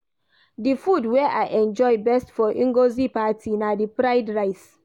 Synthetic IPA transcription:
difudwɛʔaɪʔɛ̃nd͡ʒɔɪbɛstfɔʔĩŋɡozipatʰinadipɹaɪdɹaɪt

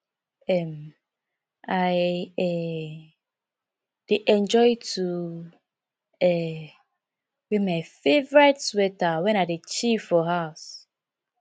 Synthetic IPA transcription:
ɛm | ajɛ | d̥eʔɛ̃nd͡ʒɔɪtʰu | ɛ | wemajfevɔɹɛtswɛtawɛ̃nadet͡ʃifɔɦaʊs

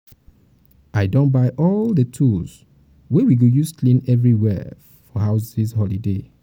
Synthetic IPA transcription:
ʔaɪdõnbaɪʔɔldətʰuls | wɛwiɡojusklĩnɛvɹiwɛ̰ | fɔɦaʊsishɔlide

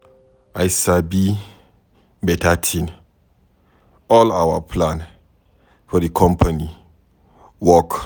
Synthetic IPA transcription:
ajsabi | bɛtatʰĩn | ɔlawa̰pʰlãn | fɔdikʰɔ̃mpʰani | wɔk

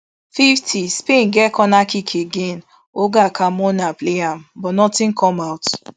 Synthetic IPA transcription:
fiftʰispẽnɡɛkɔnakikʰeɡẽn | oɡakʰamɔ̃napleam̩bɔnɔtĩnkʰɔmawt

